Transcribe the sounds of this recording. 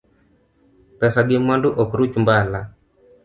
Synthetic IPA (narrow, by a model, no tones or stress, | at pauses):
pɛsaɡɪmwanduʔɔkɾut͡ʃumbala